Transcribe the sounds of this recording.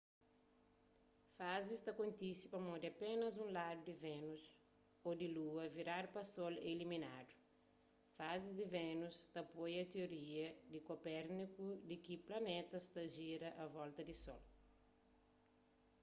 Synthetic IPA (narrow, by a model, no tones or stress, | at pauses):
fazist̪ɐkõnt̪isi̥pɐmod̪ɪɐpẽnɐzũlad̪ud̪ivẽnus | od̪iluɐviɾaɾpɐsolḛlimina̰d̪u̥ | fazizd̪ivẽnust̪ɐpojɐt̪eoɾiɐd̪ɪkopɛɾnikud̪ikiplɐnet̪ɐst̪ɐʒiɾɐʔɐvɔlt̪ɐd̪isɔ̰l